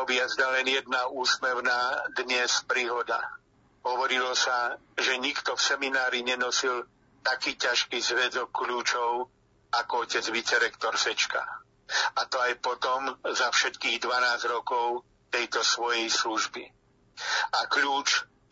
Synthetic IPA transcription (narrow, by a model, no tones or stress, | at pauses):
ɔbɪjazɲalɛnjɛd̪̚nauːsmɛʊnaːd̪ɲɛspɾiːɦɔd̪a̰ | ɦɔʋɔɾilɔsa | ʒɛɲikt̪ɔfsɛminaːɾiɲɛnɔsil | t̪akiːcaʃkiːzʋɛd̪ɔkːluːt͡ʃɔʊ | akɔɔcɛd͡zʋit͡sɛɾɛkt̪ɔɾsɛt͡ʃka̰ | at̪ɔajpɔt̪ɔmzafʃɛt̪kiːɣd̪ʋanaːzɾɔkɔʊ | t̪ɛjt̪ɔsʋɔjɛjsluʒbi | akʎuːt͡ʃ